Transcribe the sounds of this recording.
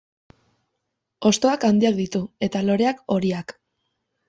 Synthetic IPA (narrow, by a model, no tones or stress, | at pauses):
o̞st̪o̞akand̪iak̚d̪it̪ue̞t̪alo̞ɾe̞ako̞ɾiak